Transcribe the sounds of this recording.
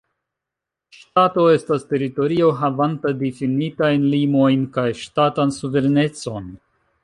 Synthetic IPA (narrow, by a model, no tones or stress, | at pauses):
ʃtato̞e̞staste̞ɾito̞ɾio̞ɦavantadifinitajnlimo̞jnkajʃtatansuve̞ɾne̞t͡so̞n